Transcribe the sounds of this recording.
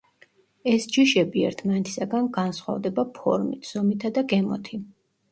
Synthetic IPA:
ɛsd͡ʒiʃɛbiɛ̰ɾt̪ʰmanɛt̪ʰi̥saɡanɡansχwa̰vd̪ɛbapʰɔ̰ɾmḭt̪ʰz̥ɔmit̪ʰad̪aɡɛmɔ̰t̪ʰi

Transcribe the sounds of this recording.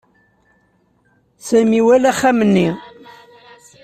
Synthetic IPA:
sæmiwælæχːæmənːi

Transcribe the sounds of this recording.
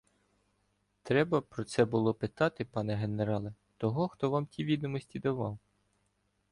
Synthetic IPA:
t̪ɾɛbɐpɾɔt̪sɛbʊlˠɔpɪt̪ɑt̪ɪpɑnɛɦe̞neɾɑlˠɛ | t̪ɔɦɔxt̪ɔʋɑmtʲiʋʲid̪ɔmɔsʲtʲid̪ɐʋɑw

